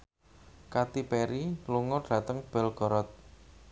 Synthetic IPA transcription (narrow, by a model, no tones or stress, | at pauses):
kat̪ipɛɾiluŋɔɖ̥a̤t̪əŋb̥ɛ̤lɡ̥ɔɾɔt̪̚